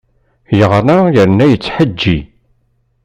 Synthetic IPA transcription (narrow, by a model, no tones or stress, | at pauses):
jəʁɾajəɾnæjət͡sːħəd͡ʒːi